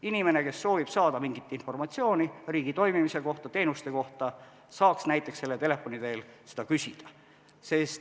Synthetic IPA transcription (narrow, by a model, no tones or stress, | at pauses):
inime̞ne̞ke̞sːo̞ːvib̥sɑːd̪ɑmiŋɡit̪ːˑinfo̞rmɑt̪sio̞ːniriːɡ̥it̪o̞jmimise̞ko̞ht̪ɑt̪e̞ːnust̪e̞ko̞ht̪ɑ | sɑːksnæjt̪ːˑekse̞lːet̪e̞le̞fːo̞nid̪e̞ːlsed̪ɑkysʲid̪̥ɑ | sest̪